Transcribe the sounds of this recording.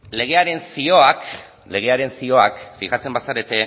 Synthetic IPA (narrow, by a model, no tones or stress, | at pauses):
le̞ɣ̞e̞aɾe̞nsio̞ak | le̞ɣ̞e̞aɾe̞nsio̞akfiɣat͡se̞mbasaɾe̞t̪e̞